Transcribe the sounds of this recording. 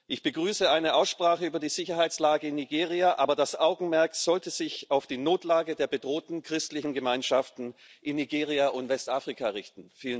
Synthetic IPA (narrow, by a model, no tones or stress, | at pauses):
ʔɪçb̥əɡʁyːsəʔaɪnəʔaʊsʃpʁ̥aːχəyːbɐdiːzɪçɐɦaɪt͡slaːɡəɪnːiɡeːʁiaʔaːbɐdasʔaʊɡŋ̩mɛɐkz̥ɔltəzɪçaʊfd̥iːnoːtlaːɡədeːɐbədʁoːtn̩kʁ̥ɪstlɪçn̩ɡəmaɪnʃaftn̩ | ʔɪnːiɡeːʁ̞iaʔʊntv̥ɛstʔaːfʁ̥ikʰaʁɪçtn̩fiːlə